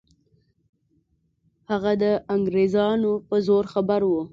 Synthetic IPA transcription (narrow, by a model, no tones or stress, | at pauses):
haɣad̪əʔaŋɡɾezɑnopəzoɾxabaɾwu